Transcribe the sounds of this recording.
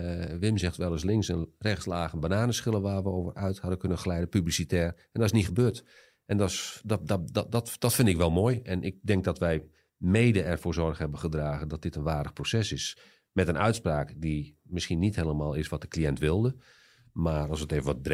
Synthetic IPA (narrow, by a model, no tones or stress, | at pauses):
ʋɪmsɛxtʋɛlˠəs̬lɪŋksənrɛxtslaːxənbanaːnəsχɪlˠəʋaːrʋəowvərœɥthɑdəkɵnənχəlɛjdəpyblisitɛːr | ɛndɔtɪsniχəbøːɹt | ʔɛndɔsddddɔtd̥ɔtfɪndɪkʋɛlˠmoːjɛnʔɪk̚dɛŋk̚dɔtʋɛj | meːdəɛrvoːɹzɔrχhɛbəχədraːɣəndɔt̚d̥ɪtənʋaːrdəχprosɛsɪs | mɛtənʔœɥtspraːkdimɪsxinitheːləmaːlˠɪsʋɔt̚dəkliɛntʋɪlˠdə | maːrɑlˠsəteːvənʋɔt̚b